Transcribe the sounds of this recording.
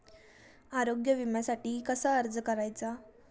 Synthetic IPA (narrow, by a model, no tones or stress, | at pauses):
aɾoɡjəʋimjasaʈiːkəsaəɾd͡zəkəɾajt͡sa